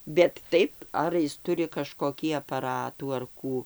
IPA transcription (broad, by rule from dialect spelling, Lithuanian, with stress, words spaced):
bʲɛt ˈtɐɪp ˈɐr jɪs ˈtʊrʲɪ kɐʃkoːˈkʲiː ɐpɐˈrɑːtuː ɐr ˈkuː